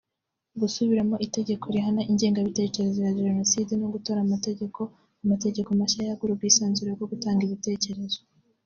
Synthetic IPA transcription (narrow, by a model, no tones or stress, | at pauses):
ɡusuβiɾamo̞ʔite̞ɟe̞ko̞ɾiɦanaʔiɲɟe̞ːŋɡaβite̞ːce̞ɾe̞zojaʒeʒeno̞sidenoɡuto̞ɾamate̞ɟe̞ko̞ | amate̞ɟe̞komaʃajaɡuɾub̚ɡiːsaːnzuɾeɡo̞ɡutaːŋɡiβite̞ːce̞ɾe̞zo